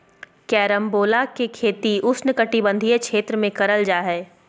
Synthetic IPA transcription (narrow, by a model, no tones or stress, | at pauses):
kɛːɾəmboːlakekʰeːt̪iʊsnəkɐʈibə̃nd̪ʱijekʃeːt̪ɾəmẽkɐɾəld͡ʒaːɦɛː